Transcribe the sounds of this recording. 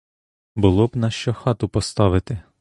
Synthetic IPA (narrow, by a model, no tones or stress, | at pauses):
bʊlˠɔbnɐʃt͡ʃɔxɑt̪ʊpɔst̪ɑʋɪt̪ɪ